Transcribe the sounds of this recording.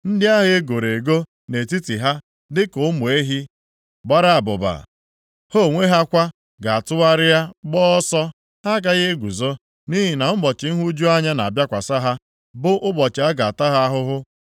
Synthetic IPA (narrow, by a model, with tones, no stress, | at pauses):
n̩˦dɪ˦a˦ɦe˦e˦ɡo˨ɾe˨ɡo˦ | ne˨ti˦ti˨ɦa˦ | dɪ˦kʊ˨˦mʊ˨e˦ɦi˦ | ɡ͡ba˦ɾa˦˨a˨bʊ̰˨ba̰˨ | ho˦˨ŋʷe˦ɦa˦kʷa˦ | ɡa˨a˨tʊ˦wa˦ɾɪ˦ja˦ɡ͡bɔː˦ɔ˦sɔ˦ | ha˦ɡa˨ɣɪ˦ɡʷu˨zo˦ | ni˦ɦi˨na˨m̩˦bɔ˨t͡ʃɪ˨n̩˦ɦu˦d͡ʒu˦a˦ɲa˦na˨bja˦kʷa˨sa˦ɦa˦ | bʊ˦ʔʊ˦bɔ˨t͡ʃɪ˨a˦ɡa˨a˨ta˦ɦa˦a˦ɦʊ˦ɦʊ˦